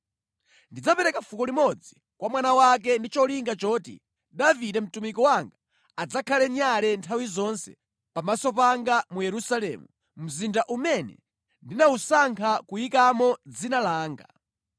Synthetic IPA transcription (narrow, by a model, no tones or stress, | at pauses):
ndid͡zapɛɾɛkafukɔlimɔd͡zi | kwamwanawak̬ɛndit͡ʃɔliŋɡat͡ʃɔːtḭ | davidɛm̩tumikɔwaŋɡa | ad͡zakʰalɛɲalɛntʰawizɔnsɛ̰ | pamasɔp̬aŋɡamujɛɾusalɛmu | m̩zindaʔumɛnɛ̰ | ndinausaŋkʰakujikamɔd͡zinalaːŋɡa